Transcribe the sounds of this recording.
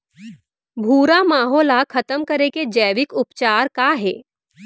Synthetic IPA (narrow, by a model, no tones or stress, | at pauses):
bʱuːɾamaːɦoːlakʰɐt̪əmkɐɾeked͡ʒɛːʋɪkʊpt͡ʃaːɾkaːɦeː